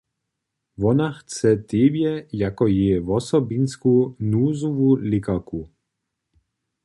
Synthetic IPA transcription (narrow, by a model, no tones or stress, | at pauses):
ʋɔnaxt͡sɛt̪ebjɛjakɔjɛvɔsɔbinskunuːzuvulɪkaku